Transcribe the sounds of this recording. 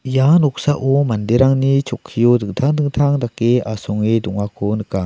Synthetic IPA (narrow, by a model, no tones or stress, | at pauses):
janɔk̚saʔɔmandeɾaŋnit͡ʃʰɔkʰːijɔdɯŋtʰaŋdɯŋt̪ʰaŋdakeasɔŋidɔŋakʰɔnɯkaŋ